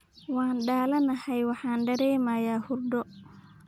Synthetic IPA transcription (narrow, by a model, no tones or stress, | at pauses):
waːnɗaːlɐnɐhɐjwɑħaːnɖɐɾɛːmaːjaːhurdɔ